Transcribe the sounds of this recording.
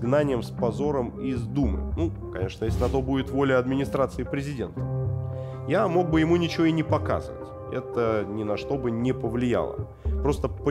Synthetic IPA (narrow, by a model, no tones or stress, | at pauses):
ɡnanʲɪjəmspɐzo̞ɾəmɪzd̪umɨ̰nu | kɐ̰nʲe̞ʂnəjesʲlʲɪnɐt̪o̞budʲɪt̪vo̞lʲəɐd̪mʲɪnʲɪst̪ɾat̪sɨɪpɾʲɪzʲɪdʲe̞̰nt̪ə̥ | jamo̞ɡ̚bɨjɪmunʲɪt͡ɕɪvʲo̞ɪnʲɪpɐka̰zə̰və̰tʲ | ɛ̰t̪ənʲɪnɐʂt̪o̞bɨnʲɪpəvlʲɪja̰lˠə̰ | pɾo̞st̪əpə